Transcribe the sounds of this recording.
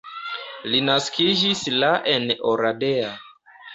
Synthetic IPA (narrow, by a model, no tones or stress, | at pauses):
linaskid͡ʒislaʔenoɾadea